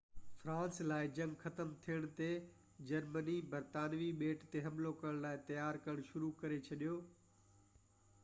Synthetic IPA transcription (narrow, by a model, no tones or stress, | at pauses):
fɾãːnslaːɪd͡ʑɐ̃ŋɡxɐt̪əmt̪ʰijəɽ̃t̪e | d͡ʑɐɾmənibɐɾt̪aːnʋiɓeːʈt̪eɦɐmlokɐɾəɽ̃laːɪt̪ɐjaːɾkɐɾəɽ̃ʃʊɾukɐɾet͡ɕʰɐɗijoː